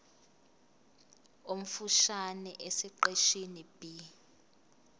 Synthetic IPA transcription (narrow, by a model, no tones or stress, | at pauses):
om̩fuʃanɛʔesiǃeʃinib̥i